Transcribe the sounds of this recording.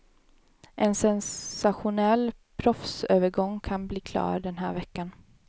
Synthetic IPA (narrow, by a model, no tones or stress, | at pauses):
ʔɛnsɛnsaɧʊnɛlː | pʰɾɔfsøːvəɾɡɔŋːkʰanbliːkʰlɑ̰ːɾɖɛnɦæ̰ːɾvɛkːan